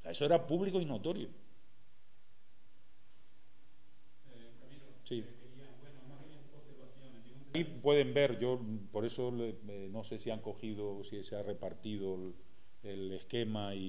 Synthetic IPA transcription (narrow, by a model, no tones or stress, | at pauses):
aesoeɾapuβlikoino̞t̪o̞ɾjo | si | o | ipwe̞ðe̞mbe̞ɾʝo̞po̞ɾe̞so̞le | no̞se̞siaŋko̞xið̞osiseare̞paɾt̪iðol | ele̞hke̞mai